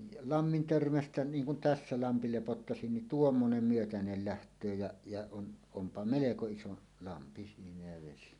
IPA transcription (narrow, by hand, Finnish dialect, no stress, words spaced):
jɑ lɑmːin tørmæstæ niːŋ kun tæsːæ lɑmpi lepotːɑsin nin tuomːonem myøtænel læhtˑøː jæ jɑ on ompɑ meleko iso lɑmpi siːnæ jæ ʋesi